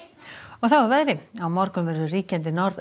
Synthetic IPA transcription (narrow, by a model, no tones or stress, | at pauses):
ɔɣθawvaɾvɛðɾɪamɔɾkʏnvɛɾʏriːcɛnt̪̬ɪnɔɾð